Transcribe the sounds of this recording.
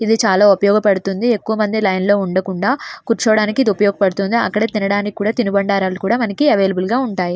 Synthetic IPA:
id̪it͡ʃaːlaːupɐjɔːɡɐpɐɽut̪und̪ie̞kːuʋɐmɐnd̪ilɐjnlo̞ːuɳɖɐkuɳɖaːkuɾt͡ʃɐʋɐɽaːnikid̪iupɐjɔːɡɐpɐɽut̪und̪iɐ̰kːɐɽeːt̪inɐɽaːnikikːuːɽaːt̪inubɐɳɖaːɾaːlukuːɽaːmɐnɐkiɐʋeːlɐbulɡaːuɳʈaːji

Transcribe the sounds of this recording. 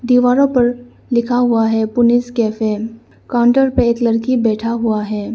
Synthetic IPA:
d̪iːʋaːɾõpɐɾ | lɪkʰaɦʊaɦɛpʊnɪskɛːfɛ | kaːʊ̃ɳʈəɾpɛt̪ləɾkibɛːʈʰaɦʊaɦɛː

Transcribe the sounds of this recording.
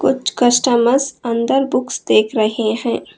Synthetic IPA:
kʊt͡ʃʰkɐsʈəməzɐ̃nd̪əɾbʊksd̪eːkʰɾɐɦeɦɛ̃ː

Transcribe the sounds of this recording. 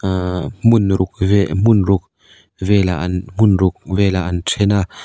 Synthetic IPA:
amunɾuk̚ɛmʊnɾuk̚ | vɛlaʔnm̥unɾuk̚vɛlaʔantʰɛna

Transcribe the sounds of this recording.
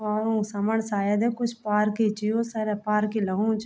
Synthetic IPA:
ɔːɾũsɐməɳsaːjad̪ekʊt͡ʃʰpaːɾkit͡ʃijoːsɐɾepaːɾkilɐɡũːt͡ʃ

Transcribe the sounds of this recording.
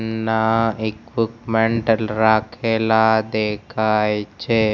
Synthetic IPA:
nːaekʋɪkmeɳʈɾaːkʰelad̪eːkʰaːjt͡ʃʰe

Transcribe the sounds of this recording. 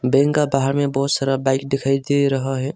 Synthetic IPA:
bɛ̃ːŋɡkabaːɦəɾmẽbɔɦʊt̪saːɾabaɪk̚d̪ɪkʰaːid̪eɾɐɦaɦɛː

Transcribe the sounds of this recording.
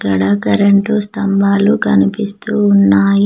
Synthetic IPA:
kɐɽakɐɾɐɳʈust̪ɐmbʱaːlukɐnipist̪uːnːaːji

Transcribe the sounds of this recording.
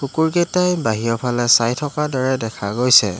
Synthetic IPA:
pukuɹɡɛtajbaɦijɔpʰalɛsajtʰɔkadɔɹɛdɛkʰaɡojsɛ̰

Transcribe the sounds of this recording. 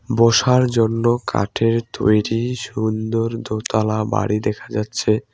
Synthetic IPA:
boʃaɾd͡ʑonːoka̰ʈʰeɾt̪o̰jɾiʃund̪oɾd̪ot̪alaba̰ɽid̪ɛkʰad͡ʑatːɕʰe

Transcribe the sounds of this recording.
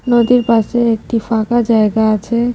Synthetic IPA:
nod̪iɾpaʃeek̚ʈifakad͡ʑaeɡaat͡ɕʰe

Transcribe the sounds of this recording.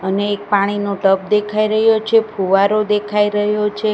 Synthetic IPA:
əneːk̚paɽ̃inoʈəp̚d̪ekʰaiɾəɦjot͡ʃʰepʰuʋaɾod̪ekʰaiɾəɦjot͡ʃʰe

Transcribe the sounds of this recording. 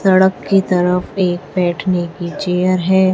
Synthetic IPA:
sɐɽəkːit̪ɐɾəfeːk̚bɛːʈʰnekit͡ʃeːjəɾɦɛː

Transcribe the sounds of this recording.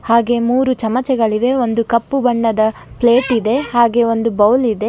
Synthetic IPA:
haːɡe̞muːɾut͡ʃɐmɐt͡ʃɛɡɐɭiʋe̞ːo̞nd̪ukɐpːubɐɳːɐd̪ɐple̞ːʈid̪e̞haːɡe̞o̞nd̪ubɐwlid̪e̞

